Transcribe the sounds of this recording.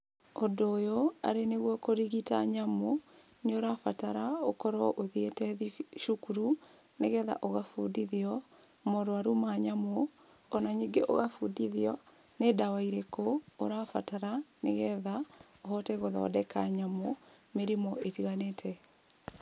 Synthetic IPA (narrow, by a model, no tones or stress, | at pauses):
odoːjoa̰ɾeneɣwɔkoɾiɣita̰ɲamo | noɾafataɾaokɔɾɔʔoðietɛðiʃukuɾu | neɣɛða̰ʔoɣafudiðiɔ | moɾwaɾumaɲamo | ɔnaɲiɡeʔo̰ɣafudiðiɔ | nedawaiɾekoːɾafataɾaneɣɛða | oɦɔtɛɣoðɔ̰dɛkaɲamo | meɾimɔʔetiɣanetʰɛ